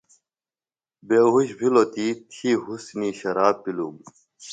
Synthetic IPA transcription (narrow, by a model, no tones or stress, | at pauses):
beɦuɕbʱilot̪it̪ʰiɦusniɕɐɾaːbpːilum